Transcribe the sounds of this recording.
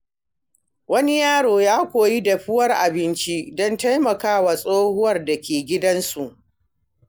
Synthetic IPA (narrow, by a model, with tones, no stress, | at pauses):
wɐ˦ni˦jaː˦ɽoː˨jaː˦kʷoː˨ji˦dɐ˨ɸɪ˦wɐ˦rʔa˨bɪ˦nt͡ʃi˦dɔ˦nta˦jmɐ˨kaː˦waː˨sʼoː˦hʊ˦wɐ˦˨rda˨kʲʰeː˨ɡʲɪ˦dɐ˦nsu˨ʔ